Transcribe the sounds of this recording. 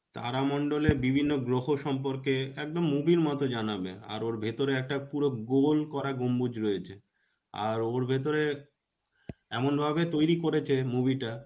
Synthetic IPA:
t̪a̰ɾamɔɳɖolebibʱinːoɡɾoɦoʃɔmp̬oɾkeɛk̚d̪omːubiɾmɔt̪od͡ʑanabḛa̰ɾoɾbʱet̪oɾeɛk̚ʈapuɾoɡolkɔɾaɡombud͡ʑɾoet͡ɕʰe | a̰ɾoɾbʱet̪̬oɾe | ɛmonbʱabet̪ojɾikoɾet͡ɕʰemubiʈa

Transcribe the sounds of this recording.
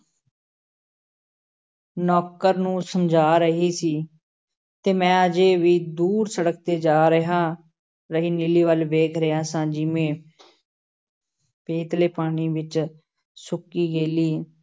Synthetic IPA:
nɔːkəɾnũːsəmd͡ʒʱaːɾəɦiːsiː | t̪eːmɛ̃ːəd͡ʒeːʋiːd̪uːɾsəɽək̚t̪eːd͡ʒaːɾəɦãː | ɾəɦiːnɪliːʋəlʋeːkʰɾəãːsãːd͡ʒɪmẽː | peːt̪leːpaːɽ̃iːʋɪt͡ʃ | sʊkiːɡeːliː

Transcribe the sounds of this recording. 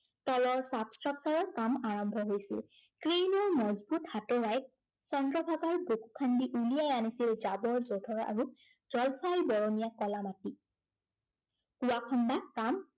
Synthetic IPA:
tɔlɔɹsabstɹaksaɹɔɹkamaɹɔmbʱɔɦojsɛ̰lkɹenɔɹmɔzbuthatɔɹajk̚ | sɔndɹɔbʱaɡɔɹboku̥kʰandiʔulijajanisilzabɔɹzodʰʱɔɹa̰ɹuz̥ɔlpʰajbɔɹonijakɔlamati | kuwakʰɔnbakam

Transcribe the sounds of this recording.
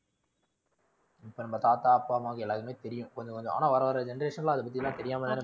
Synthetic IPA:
ɪpːoːnɐmːɐt̪aːt̪aːɐpːaːmaːɣɐɛlːaːkɐmeːt̪ɛɾɪjʊ̃kɔɲd͡ʒɐ̃kɔɲd͡ʒɔ̃ʔa̰ːnaːʋɐɾɐʋɐɾɐd͡ʒɛnɐɾeːʂɐnlãːɐðɐp̬ːɐt̪ːɪjlːãːt̪ɛɾɪjaːmɐnːanɯ

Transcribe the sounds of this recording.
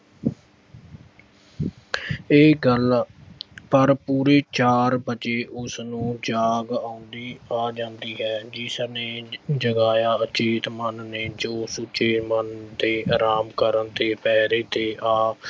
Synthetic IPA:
eːɡəl | pəɾpuːɾeːt͡ʃaːɾbəeːʔʊsnũːd͡ʒaːɡaːʊnd̪iːaːd͡ʒãːnd̪iːɦɛːd͡ʒɪsneːd͡ʒəɡaːjaːət͡ʃeːt̪mənːeːd͡ʒoːsʊt͡ʃeːmənt̪eːɾaːmkəɾənt̪eːpɛːɾeːt̪eːʔaː

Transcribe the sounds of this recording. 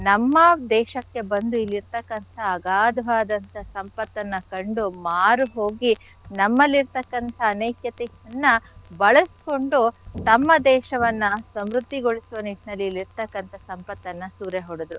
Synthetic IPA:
nɐmːɐd̪ɛːʃɐkːe̞bɐnd̪uilːiɾt̪ɐkːɐnt̪ʰɐːɡaːd̪ʱɐʋaːd̪ɐnt̪ʰɐsɐmpɐt̪ːɐnːɐkɐɳɖumaːɾuɦoːɡi | nɐmːɐlːiɾt̪ɐkːɐnt̪ʰɐːnɐjkjɐt̪ɛɐnːɐbɐɭɐsko̞ɳɖut̪ɐmːɐd̪ɛːʃɐʋɐnːɐsɐmɾud̪ʱːiɡo̞ɭisuʋɐniʈinɐlːiːlːiɾt̪ɐkːɐnt̪ʰɐsɐmpɐt̪ːɐnːɐsuːɾeɦoɽud̪ɾu

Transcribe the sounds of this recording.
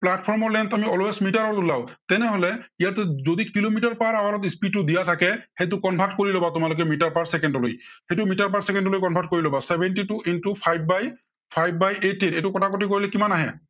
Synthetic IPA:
plat̚pʰɔɹmɔɹlɛntamiɔloɛsmitaɹɔɹtulawtɛnɛɦɔlɛijatɛzodikilomitaɹpaɹawalɔt̬ispitʊdijatʰakɛxejt̬ʊkɔnbʱatkoɹilobatʊmalʊk̬ɛmitaɹpaɹsɛkɛndɔlo̰jhejtʊmitaɹpaɹsɛkɛndɔlojkɔnbʱat̚koɹilɔbasɛbʱɛntituʔintupʰajbːaj | pʰajbːajetːinejtʊkɔtʰakotikoɹilɛkimanaɦɛ̰

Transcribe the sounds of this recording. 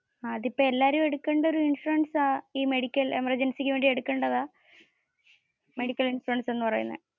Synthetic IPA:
aːɐðipːoːe̞lːaːɾume̞ɽukːe̞ɳɖɐo̞ɾuiɳʂuɐnsaːiːme̞ɽikʲːɐle̞̰mɐrd͡ʑensikʲːɨʋeːɳɖie̞ɽukːeɳɖɐðaː | me̞ɽikʲːɐlinʂuɐnse̞nːɨpɐrɐ̰jṵnːɐ̰

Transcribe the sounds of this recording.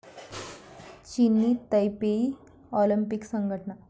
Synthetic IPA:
t͡ɕinːiːt̪əjpei | ɔlimpiksəŋɡʱəʈna

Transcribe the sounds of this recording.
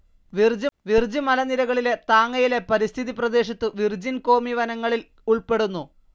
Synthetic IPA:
ʋird͡ʑʋird͡ʑɨmɐlɐniɾɐɣɐɭile̞t̪aːŋːɐjile̞pɐɾist̪ʰiðiprɐd̪e̞ːɕɐt̪ːɨʋird͡ʑinko̞ːmiʋɐnɐŋːɐɭil | uɭpe̞ɽunːu

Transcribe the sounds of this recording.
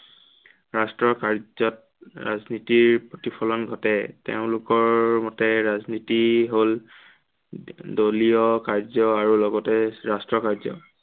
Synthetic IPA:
ɹastɹɔkaɹɔt | ɹa̰znitiɹpotipʰɔlɔnɡʱɔtɛtḛʊ̃lʊkɔɹmɔtɛɹaznitiɦol | doliɔkaɹzɔaɹulɔɡɔtɛɹastɹɔkaɹzɔ̰

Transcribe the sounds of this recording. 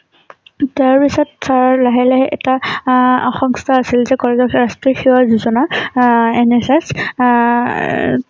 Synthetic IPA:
tɛaɹpisɔtsaɹlaɦɛlɛɦɛʔɛtaaxɔŋstʰaːsilzɛkɔɹɛkɔɹastɹixiwazuzɔna | ɛnɛsɛs

